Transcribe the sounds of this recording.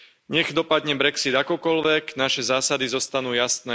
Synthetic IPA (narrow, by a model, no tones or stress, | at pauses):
ɲɛɣd̪ɔpad̪ɲɛbɾɛksid̪akɔkɔlʋɛknaʃɛzaːsad̪izɔst̪anuːjasnɛː